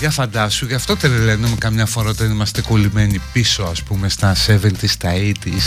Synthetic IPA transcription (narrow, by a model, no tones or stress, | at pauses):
ʝɐfɐnd̪ɐsuʝɐft̪o̞t̪eɾelenumekɐmɲɐfo̞ɾɐot̪ɐnimɐst̪e̞ko̞lime̞nipiso̞ɐspume̞st̪ɐsevent̪ist̪ɐit̪is